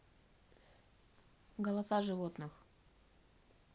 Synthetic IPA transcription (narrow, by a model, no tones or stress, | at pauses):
ɡəlˠɐsaʐɨvot̪nɨx